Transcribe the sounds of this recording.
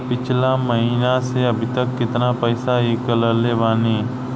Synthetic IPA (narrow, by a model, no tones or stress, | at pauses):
pɪt͡ʃʰlaməɦiːnaseɐbʱɪt̪əkːɪt̪napɛːsaɦikələɾleːʋaːniː